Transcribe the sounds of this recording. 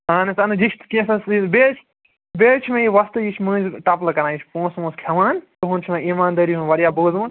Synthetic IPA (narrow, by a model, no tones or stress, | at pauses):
aːnɐsɐnɨd͡ʒit͡ʃʰt̪ʰkʲẽːsɐsibeːt͡ʃʰ | bʲeːt͡ʃʰimẽjiʋɐst̪ɨjit͡ʃʰmɨ̃ːzʲʈɐplɐkɐnãːjit͡ʃʰpõːsmũːskʲʰɐʋaːnt̪ɨɦũnt͡ʃʰmeiːmaːnd̪ɐɾiɦunʋɐɾijaːbəːzmun